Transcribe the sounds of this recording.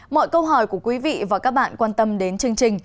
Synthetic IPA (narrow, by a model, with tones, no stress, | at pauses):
mɔ̰˧˨jkə˧wɦɔ˧˩jku˧˩əkwi˨˦vḭ˧˨vaː˨˩kaː˦˥k̚ɓa̰ː˧˨nkwaː˧nt̪ə˧mɗe˨˦nt͡ɕɨ˧əŋt͡ɕï˨˩ŋ̟